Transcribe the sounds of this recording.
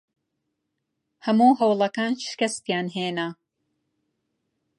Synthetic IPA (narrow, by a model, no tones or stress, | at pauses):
hɐmuːhɐwlˠɐkaːnʃɨ̥kɐst̪jaːnɦeːnɐ